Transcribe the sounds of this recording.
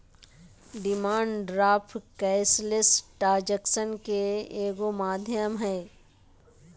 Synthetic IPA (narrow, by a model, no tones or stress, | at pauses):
ɖɪmaːɳɖɖɾaːpʰkɛːɪslɪsʈaːɾd͡ʒəksənkeeːɡomaːd̪ʱjəmɦɛː